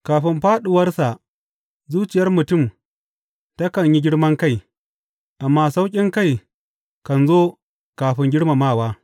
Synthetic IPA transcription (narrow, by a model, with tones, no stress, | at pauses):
kaː˨ɸɪ˦mɸaː˦ɗʊ˨wɐ˦rsa˨ | zuː˦t͡ʃɪ˨jɐ˦rmʊ˨tʊ˦˨m | ta˦kɐ˨ɲji˦ɡʲɪ˦ɽmɐ˦ŋka˦˨j | ʔa˨mːaː˦sa˦wkʲʼɪ˦ŋka˦˨j | kɐ˨nzoː˦ | kaː˨ɸɪ˦ŋɡʲɪ˦ɽma˨maː˦˨waː˦